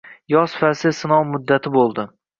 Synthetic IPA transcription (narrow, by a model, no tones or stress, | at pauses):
jɒsfasɪsɪnɒwmʊd̪ːat̪ʰɪbolˠd̪ɪ